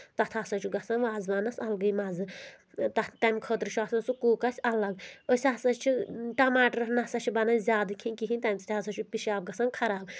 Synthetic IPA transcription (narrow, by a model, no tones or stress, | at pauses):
t̪ɐt̪ʰasɐt͡ʃʰuɡɐsɐnʋaːzbanɐsɐlɡɐjmazɨ | t̪ɐt̪amʲkʰət̪ɾit͡ʃʰuasɐnsukuːkɐsʲɐlɐɡəsʲasɐt͡ʃʰiʈɐmaːʈɾɐnɐsɐt͡ʃʰubɐnɐzʲaːd̪ɨkʰinʲkiɦinʲt̪amʲt͡si̥t̪ʰʲasɐt͡ʃʰupiʃaːb̚ɡɐsɐnkʰɐɾaːb